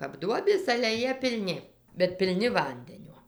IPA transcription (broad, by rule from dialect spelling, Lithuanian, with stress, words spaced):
kɐp ˈduɔbʲeːs ɐlʲɛ ˈjiɛ pʲɪlʲˈnʲɪ bʲɛt pʲɪlʲˈnʲɪ ˈʋɐnʲdʲɛnʲoː